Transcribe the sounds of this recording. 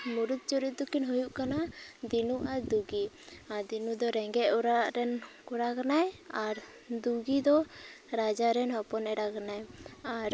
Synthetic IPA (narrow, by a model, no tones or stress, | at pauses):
muɾut̪̚t͡ʃuɾit̪̚d̪ukinɦujuʔkanad̪inuʔaɾd̪uɡi | aɾd̪inud̪ɔɾɛŋɡɛʔ̪̚uɾaʔɾɛnkuɾakanajaɾ | d̪uɡid̪ɔɾad͡ʒaɾɛnɦɔpɔnɛɽakanajaɾ